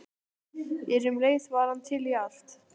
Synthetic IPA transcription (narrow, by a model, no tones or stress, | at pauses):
ɛɾʏmleːjsvaːɾant̪ʰɪlial̥t̪